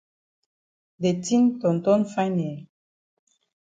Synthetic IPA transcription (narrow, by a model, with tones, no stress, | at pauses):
de˨ti˦ntɔ˨n˨t̪ɔ˦nfa˦n˨ɛ˨